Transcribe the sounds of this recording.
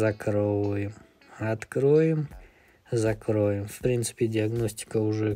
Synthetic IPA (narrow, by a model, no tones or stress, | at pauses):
zɐkɾovʊjɪm | ɐt̪kɾojɪm | zɐkɾojɪmfpɾʲint̪sɨ̥pʲɪdʲɪɐɡnosʲtʲɪ̥kəʊʐɛ